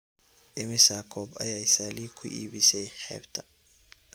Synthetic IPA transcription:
ʔɪmɪsakʰɔːbɐ̰jaːɪsaːliːkʰʊʔḭːβɪsɛjħɛ̰ːbt̪ʰɐ̥

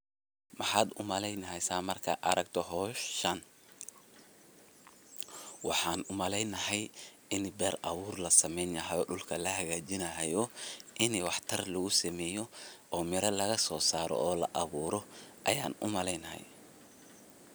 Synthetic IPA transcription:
mɑħɑːd̪ʊmɐlɛjnɐɦɛjsaːmɐrkʰɐ̰ʔɐɾɐɡt̪ʰɔɦɔːʃɐn | wɑħɑːnʊmɐlɛjnɐɦɛj | ɪnbɛːrɐβuːrlɐsɐmɛjnjɐɦɐjɔːɖʊlkʰɐlɐɦɐɣaːt͡ʃɪnɐɦɛjɔʔɪniwɑħt̪ʰɐrlɐɣʊsɐmɛːjɔɔːmɪɾɐlɐɣɐsɔːsaːɾɔ̰ʔɔːlɐ̰ʔɐβuːɾɔʔɐjaːnʊ̰mɐlɛjnɐɦɛ̰j

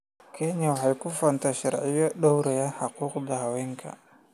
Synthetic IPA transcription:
kʰeɲawahajkufantaʃa̰ɾʕijaɗowɾajahaquqd̪ahaweŋkʰa̰

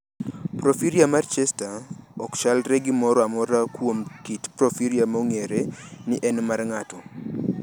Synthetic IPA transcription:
pɾofiɾiamart͡ʃɛstaɔkʃalɾɛɡɪmɔɾɔamɔɾakwomkitpɾofiɾiamoŋeɾenɪʔɛnmarŋatɔ

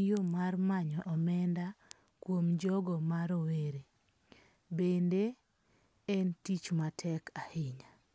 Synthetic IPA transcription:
jomarmaɲɔʔɔmɛnda | kwomd͡ʒɔɡɔmaɾoweɾe | bende | ɛntit͡ʃmatʰɛkʰahɪɲa

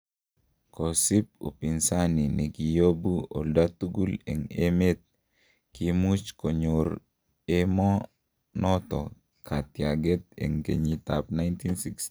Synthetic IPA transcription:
kosip̚o̰pinsaninikijobuo̰ldat̪uɡulḛŋemet̪̚ | kimut͡ʃkoɲuɾ | emɔ | nɔt̪ɔ | kʰat̪jaɡet̚ḛŋkḛɲitap̚najntinsiks

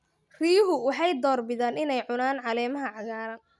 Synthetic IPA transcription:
riːɦʊwɑħɑjd̪ɔːrbɪðaːnɪnɛjʕʊnaːnʕɑlɛːmɐɦɐʕɑɣaːɾɐ

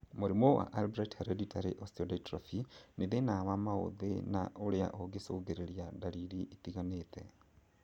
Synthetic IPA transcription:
muɾimwowa̰ʔalbɾathaɾeditʰaɾeʔostodatɾofineðenaβamao̰ðena̰ʔolja̰ʔoɡesoːɡeɾeɾjadaliɾiʔitiɣanetɛ̰

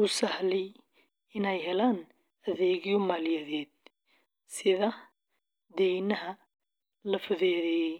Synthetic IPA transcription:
ʊsɐhlɛj | ɪnɛjɦɛlaːn | ɐðɛːɣjɔmaːljɐðɛːd̪̚ | sɪðɐ | d̪ɛjnɐɦɐ | lɐfʊðɛːðɛj

